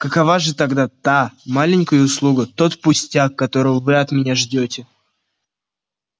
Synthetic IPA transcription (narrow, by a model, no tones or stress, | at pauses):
kəkɐvaʐɨt̪ɐɡd̪at̪amalʲɪnʲkəjʊʊslˠuɡət̪o̞t̪pʊsʲtʲakːɐt̪o̞ɾəvvɨɐt̪mʲɪnʲaʐdʲotʲɪ